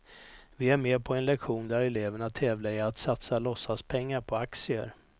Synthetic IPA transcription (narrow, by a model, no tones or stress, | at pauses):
vɪæɾmeːpʰɔɛnlɛkɧuːnd̪æɾɛleːvəɳat̪ʰːɛːvlaɛat̪sat̪salɔsːaspʰɛŋːaɾpʰɔaksɪə̰ɾ